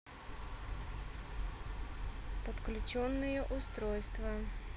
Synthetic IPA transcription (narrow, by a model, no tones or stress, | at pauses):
pɔt̪klʲʊt͡ɕɔnːɨjɛʔʊst̪ɾɔjst̪vɐ